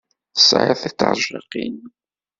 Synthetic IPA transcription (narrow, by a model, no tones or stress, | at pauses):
θə̥sʕə̰θit̪ːɑ̰ɾˤʒɑ̰qḭn